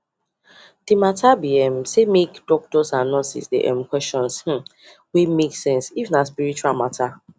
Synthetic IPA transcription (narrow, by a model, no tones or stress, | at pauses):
d̥imatʰabiɛmsemekdɔk̚tɔsãnnɔsḭsdḛʔɛ̰̃mkwɛst͡ʃɔ̃nsh̩ | wimeksɛ̃nsifnaspiɾit͡ʃualmatʰa